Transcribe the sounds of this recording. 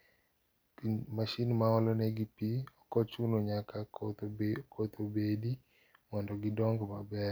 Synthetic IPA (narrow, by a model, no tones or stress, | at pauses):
maʃinmaɔlɔnɛɡipiɔkɔt͡ʃunoɲaka | kʰot̪obedi | mɔndɔɡɪdɔŋɡmabɛɾ